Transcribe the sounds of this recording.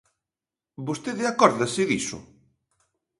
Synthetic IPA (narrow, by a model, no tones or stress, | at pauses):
bost̪eðɪakɔɾðasɪðisʊ̰